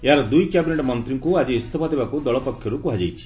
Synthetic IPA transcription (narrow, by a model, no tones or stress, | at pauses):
eɦaɾɔd̪ujkjabineʈɔmɔnt̪ɾiŋkuad͡ʒiːst̪ʰɔpʰad̪ebakud̪ɔɭɔpɔkʰːjɔɾukuɦad͡ʒejt͡ʃʰi̥